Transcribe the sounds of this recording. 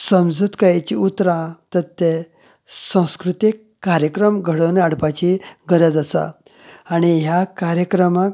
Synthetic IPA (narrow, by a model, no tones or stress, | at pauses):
səmd͡zut̪kajet͡ɕiut̪ɾãt̪ət̪ːe | sə̃w̃skɾut̪ikːaɾjəkɾəmɡʱəɽənaɽpat͡ɕiɡəɾəd͡zəsa̰ː | ɽ̃iɦjakaɾjəkɾəma